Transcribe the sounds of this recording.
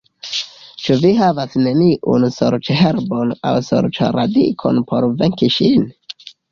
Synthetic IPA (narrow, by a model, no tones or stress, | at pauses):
t͡ʃuviɦavasneniʔṵnsoɾt͡ʃeɦeɾbona̰wso̰ɾt͡ʃa̰ɾad̪ḭkʰo̰npʰoɾveŋkiʃin